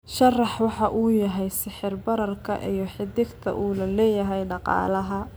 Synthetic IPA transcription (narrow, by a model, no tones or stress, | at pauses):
ʃɐrɑħwɑħɑʔuːjɐɦɛjsɪħɪrbɐɾɐrkʰɐ̰ʔijɞħɪd̪ɪɡt̪ʰɐ̰ʔuːlɐlɛːjɐɦɛjɖɑqɑ̰ːlɐɦɐ